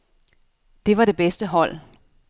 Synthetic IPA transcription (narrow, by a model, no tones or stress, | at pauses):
d̥e̝ʋɑ̈ɾ̥e̝b̥esd̥əɦɒ̽l̰